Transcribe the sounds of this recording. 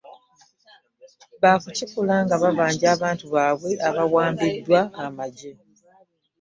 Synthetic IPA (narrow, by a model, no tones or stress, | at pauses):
βaːkucikulaŋɡaβaβaːɲɟaːβaːntuβaːβwe̞ʔaβawaːmbidːwaːmaɟe